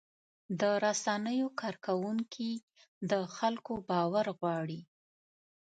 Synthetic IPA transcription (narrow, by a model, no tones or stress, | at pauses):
d̪əɾasanəjokɑɾkawuŋkʰi | d̪əxalkobɑwaɾɣwɑɽi